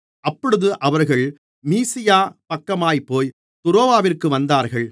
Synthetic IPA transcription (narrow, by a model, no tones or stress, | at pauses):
ʔɐpːɔɽɯðɯʔɐʋɐɾɣɐɭ | miːsɪjaːpɐkːɐmaːjpːoːj | t̪ʊɾoːʋaːʋɪrkɯʋɐnd̪aːɾɣɐɭ